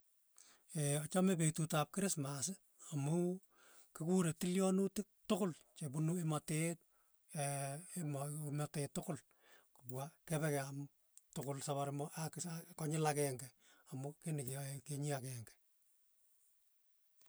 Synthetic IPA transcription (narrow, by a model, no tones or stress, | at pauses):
eɔt͡ʃamɛpetutap̚kɪɾɪsmasɪ | amʊ | kɪkuɾetɪljɔnutɪk̚tʊkʊlt͡ʃebunuematet̚ː | mmatetːʊkʊl | kʊpwakɛpɛkɛam | tʊkʊlsaβaɾɪmɔʔakkɔɲɪlakɛŋɡɛ | amʊkenɪkkeɲiakɛŋɡɛ̥